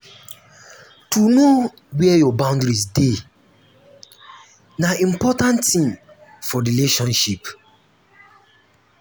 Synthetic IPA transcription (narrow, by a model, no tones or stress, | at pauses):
tuno | wɛjɔbãʊ̃ndɾizde | naĩm̩pɔtãntːĩm | fɔɾileʃɔ̃nʃip